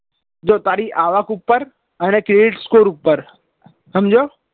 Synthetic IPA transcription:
d͡ʑoːt̪aːɾiʔaːʋaːkʊpːəɾ | ɛ̃ːnɛkɾeːɖɪʈskoːɾupəɾ | ɦəmd͡ʑoː

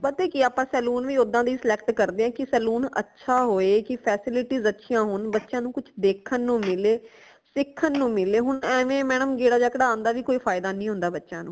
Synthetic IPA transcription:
pət̪eːkɪaːpãːsɛːluːnʋiːʊd̪ãːd̪iːsɪlɛkʈkəɾd̪eːãːkɪsɛːluːnə̰tːʃʰaːɦoːeːkɪpʰɛːsɪlɪʈiːzətːʃʰijãːɦʊnbətːʃãːnũːkʊt͡ʃʰd̪eːkʰːənːũːmɪleː | sɪkʰːənːũːmɪleːɦʊɳɛːʋẽːmɛːɳəmɡeːɽaːd͡ʒaːkəɽaːnd̪aːʋiːkoːiːpʰaːjɪd̪aːnĩːɦʊ̃nd̪aːbətːʃãːnṵ̃ː

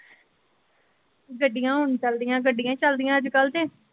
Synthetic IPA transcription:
ɡəɖːijãːɦʊɳt͡ʃəld̪ijãːɡəɖːijãːt͡ʃəld̪ɪjãːəd͡ʒkəlt̪eː

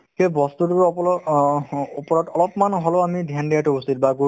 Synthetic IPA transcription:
kebɔst̪utuɔpɔ | opɔɹɔtɔlɔpmanɦɔloamidʱjandijatʊusit̚baɡu

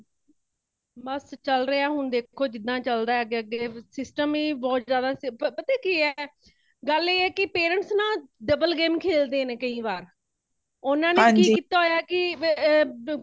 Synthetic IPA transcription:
bəst͡ʃəlɾeaːɦʊnd̪eːkʰːoːd͡ʒɪd̪ːãːt͡ʃəld̪aːɛəɡeːəɡeːsɪsʈəmiːbɔːt̪zjaːd̪aːpət̪eːkiːɛ | ɡəleːɛːkɪpeːɾə̃ɳʈsnãːɖəbəlɡeːmkʰeːld̪eːnẽːkəĩːʋaːɾ | ʊnãːnẽːkiːkiːt̪aːɦoːjaːkɪ

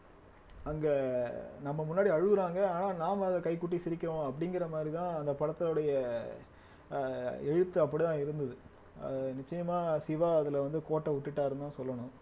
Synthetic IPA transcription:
ɐŋɡɐnɐmːɐmʊnːaːɽiɐɻɯʋɯɾaːŋɡɐaːnaːnaːmɐðɐkɐɪkːʊʈ̬ːisɪɾɪkʲːɐʋõɐpːɐɽɪŋɡɪɾɐmaːd̪ɾit̪ãːɐnd̪ɐpɐɽɐt̪ːɪlɔɽɐjɐ | ɛɻɯt̪ːɯɐp̬ːɐɽit̪ãːɪɾɯnd̪ɐðɯ | ɐ̰ðɯnɪt͡ʃːɐjɐmaːsɪʋaːɐðɪlʋɐnd̪ɯkoːʈːɐʊʈːɯʈːaːɾɯnd̪aːsɔlːɐɳʊ̃

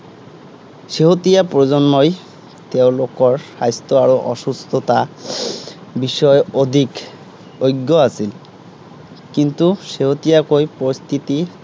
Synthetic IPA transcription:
ʃeɦot̪ijapɾod͡ʑonːoj | t̪ewlokoɾʃajst̪oaɾoʔɔʃust̪ʰot̪a | biʃɔeod̪ʱik | ojɡːoasʰil | kint̪uʃeɦot̪ijakojpoɾist̪ʰit̪i

